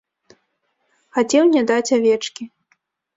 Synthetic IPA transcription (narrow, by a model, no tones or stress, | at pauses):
xat͡sʲɛwnʲɛd̪at͡sʲavʲɛt͡ʂkʲi